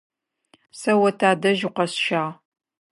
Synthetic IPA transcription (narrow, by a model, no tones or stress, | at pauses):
sɐwɐtʰaːdɐʒɪqʷɐsʃaːʁ